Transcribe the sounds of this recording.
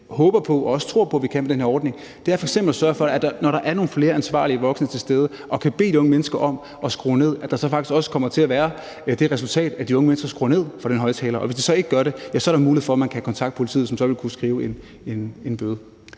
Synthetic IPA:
hɔ̽ːb̥ɐpʰɒ̽ʔɒɒ̽sə̥t͡sʰʁo̝ɐ̰pʰɒ̽ʋikʰænmedenheɐɒːd̥̚ne̝ŋ | d̥e̝æɐfɒ̽eɡ̥sem̰b̥l̩sɶɐfɒ̽æd̥ɑ̈nɒɾɑ̈ʔæɐno̝ːn̩fle̝ːɐænsʋɑ̰̈ːliəʋɒ̽ɡ̥sənət͡sʰe̝lsd̥eːð̞ˠə | ʔɒ̽kʰæb̥e̝̰ːd̥iɔ̽ŋəmenəsɡ̥ɐʔɒ̽m̰ | ɒ̽sɡ̥ʁɔ̰ːne̝ð̰ˠæd̥ɑ̈sɒ̽fɑ̈ɡ̥isɡ̥ɒ̽sə̥kʰɒ̽m̰ɐt͡sʰe̝læʋæːɐ | d̥e̝ʁɛsult͡sʰɛ̰ːd̥æd̥iɔ̽ŋəmenəsɡ̥ɐsɡ̥ʁo̰ːne̝ð̞̰ˠfʁɑɾ̥enɦɒ̽ɪt͡sʰɛːlɐʔɒ̽ʋesd̥isɒ̽e̝ɡ̥əɡɶɐɾe̝jæsɒ̽æɐɾɑmuːlihefɒ̽æmænkʰæhækʰɒ̽nt͡sʰɑ̈ɡ̥d̥̚pʰo̝li̥t͡sʰḭð̩ˠsɒ̽msɒ̽ʋe̝lkʰusɡ̥ʁiːʊen | e̝ne̝nb̥øːðˠ

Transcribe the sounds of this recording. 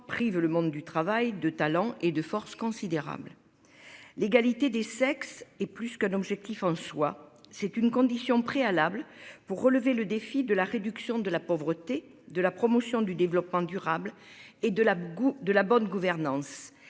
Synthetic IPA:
pχivləmɔ̃d̪d̪yt̪χavajd̪ət̪alɑ̃ʔed̪əfɔʁskɔ̃sid̪eʁa̰bl | leɡalit̪ed̪esɛksɛplyskɛ̃nɔbʒɛk̚t̪ifɑ̃swasɛt̪ynkɔ̃d̪isjɔ̃pχealablpuʁːələveləd̪efid̪əlaʁed̪yksjɔ̃d̪əlapɔvʁət̪e | d̪əlapχɔmɔsjɔ̃d̪yd̪evlɔpmɑ̃d̪yʁabl | ed̪əad̪əlabɔnɡuvɛʁnɑ̃s

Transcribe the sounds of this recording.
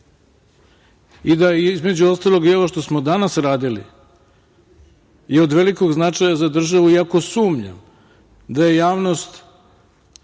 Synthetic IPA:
id̪aizme̞d͡ʑuo̞st̪alo̞ɡio̞ʋoʃt̪o̞smod̪anasɾaːd̪ilḭ | jeo̞d̪ʋe̞liko̞ɡznat͡ʃajazad̪r̩ʒaʋuiako̞suːmɲa̰m | d̪aje̞jaːʋno̞st̪

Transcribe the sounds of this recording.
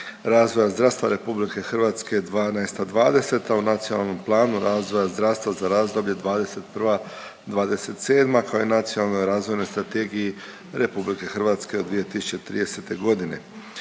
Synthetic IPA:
ɾaːzʋo̞jazd̪ɾast̪ʋaɾe̞publike̞xr̩ʋaːt̪sked̪ʋaːnaest̪ad̪ʋaːd̪e̞se̞t̪aunat̪sijonalˠno̞mplˠaːnuɾaːzʋo̞jazd̪ɾaʋst̪ʋazaɾaːzd̪o̞bʎe̞d̪ʋaːd̪e̞se̞t̪pr̩ʋa | d̪ʋaːd̪e̞se̞t̪se̞ːd̪makaoinat̪sionalˠnojɾaːzʋojno̞jst̪ɾat̪eɡiji | ɾe̞publike̞xr̩ʋaːt̪ske̞od̪ʋije̞t̪isu̥t͡ɕe̞t̪ɾḭːd̪e̞se̞t̪e̞ɡo̞d̪ine̞̰

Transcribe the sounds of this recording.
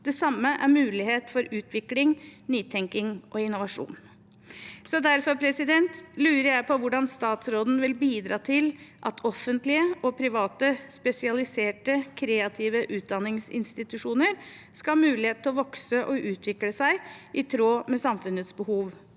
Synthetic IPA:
d̪̥ɛsɑmːəʔæɾmʉːlɪɦeːt̪fɔɾʉːt̪ʰʋɪklɪŋnyːt̪ʰɛŋkɪŋʔɔɪnʊʋɑʂṵːn | sɔd̪æɾfɔɾpʰɾɛsɪd̪ɛnt̪lʉːɾəɾjæɪpʰɔʋʊɖɑnst̪ɑːt̪sɾoːd̪n̩ʋɪlbiːd̪ɾɑːt̪ʰɪlʔɑt̪ʰɔfːənt̪lɪəʔɔpʰɾɪʋɑːt̪əspɛsɪɑlɪseːʈəkʰɾeːɑt̪ʰiːʋəʔʉːt̪̚d̪ɑnːɪŋsɪ̰nst̪ɪt̪ʉʂuːnəɾ | skɑhɑmʉːlɪheːt̪ʰːɪlɔʋɔksəʔɔʔʉːt̪ʰʋɪkləsæɪʔɪt̪ʰɾoːmɛsɑmfʉnət̪sbəhuːʋ

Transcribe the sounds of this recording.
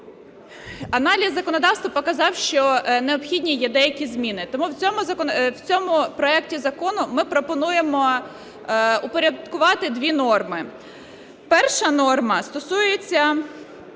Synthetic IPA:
ɐnɑlʲizːɐkɔnɔd̪ɑwst̪ʋɐpɔkɐzɑwʃt͡ʃɔneɔpxʲidʲnʲijɛd̪ɛjɐkʲizmʲinɪt̪ɔmuwt͡sʲɔmʊzɐkɔwt͡sʲɔmʊpɾɔɛktʲizɐkɔnʊmɪpɾɔpɔnujemɔ | ʊpɔɾʲɐd̪kʊʋɑt̪ɪd̪ʲʋʲinɔrmɪ | pɛrʃɐnɔrmɐst̪ɔsujet͡sʲːɐ

